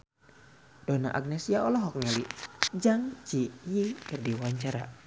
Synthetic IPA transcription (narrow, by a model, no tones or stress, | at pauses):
d̥ɔna̰ʔa̰ɡ̚nɛsiaɔlɔɦɔkŋɛlid͡ʒaŋt͡ʃijikərdiwaɲt͡ʃaɾa